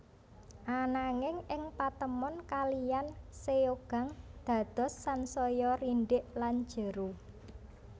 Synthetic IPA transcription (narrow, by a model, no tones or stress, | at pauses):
ʔanaŋɪŋɪŋpat̪əmɔnkalijanseoɡ̥a̤ŋd̪̥ä̤d̪̥ɔ̤sːansɔjɔriɳɖɪʔlan̥d͡ʒ̥ə̤ɾu